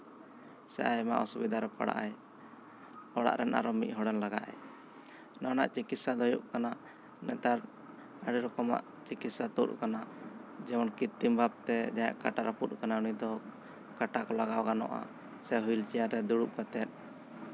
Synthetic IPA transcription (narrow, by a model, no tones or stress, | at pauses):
sɛ̰ʔajma̰ʔɔsubid̪ʱaɾɛpa̰ɽa̰ʔaj | ɔɽa̰ʔɾɛnʔa̰ɾɔmic̪̚ˀɦɔɽɛnlaɡa̰ʔɛ̰ | nana̰ʔt͡ʃikit̪̚sad̪ɔjṵʔkanaʔ | nɛt̪aɾ | aɽiɾɔkɔma̰ʔ | t͡ʃikit̪sat̪ṵt̪̚kanaʔd͡ʒɛmɔnkit̪ːimbʱab̚t̪ɛd͡ʒaja̰ʔkaʈaɾɔput̪̚kanaunid̪ɔ | kaʈakɔlaɡawɡanɔ̰ʔa̰ | sɛɦujlt͡ʃijaɾɛd̪uɽuʔkat̪ɛt̪̚ˀ